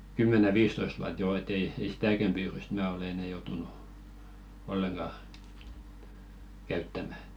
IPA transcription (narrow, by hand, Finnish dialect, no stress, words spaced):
kymːæne ʋiːstoist̆ wuɑt joː et ei ei sitækæm pyːryst mæː olĕ enɛ joutunu olːeŋɡ̊ɑ kæytːæmæ